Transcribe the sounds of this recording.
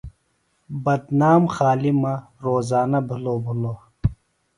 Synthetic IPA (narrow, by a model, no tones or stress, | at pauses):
bɐd̪naːmxaːlimɐɾoːzaːnɐbʱuloːbʱuloː